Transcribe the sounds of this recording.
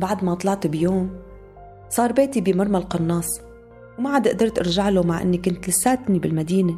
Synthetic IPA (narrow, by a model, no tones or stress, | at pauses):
baʕd̪mat̪ˤlɑʕt̪bjoːm | sˤɑːɾˤbeːt̪ibimɑɾˤmalqɑnːɑːsˤ | wmaʕad̪ɪʔd̪ɑɾˤt̪ʔɪɾʒaʕlomaʕʔɪ̰nːikʊnt̪lɪsaːt̪nibɪlmad̪iːne